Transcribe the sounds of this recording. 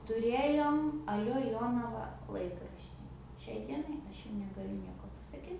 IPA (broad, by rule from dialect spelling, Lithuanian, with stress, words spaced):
tʊˈrʲeːjoːm ɐˈlʲoː ˈjoːnɐʋɐ ˈlˠɐɪkrɐʃʲtʲiː ˈʃʲɛɪ ˈdʲiɛnɐɪ ˈɐʃ jʊm nʲɛɡɐˈlʲʊ ˈnʲiɛkoː pɐsɐˈkʲiːt